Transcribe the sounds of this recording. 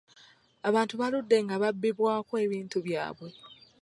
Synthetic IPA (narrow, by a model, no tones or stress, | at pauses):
aβaːntuβaludːe̞ŋɡaβabːiβwaːkoeβiːntuβja̰ːβwe̞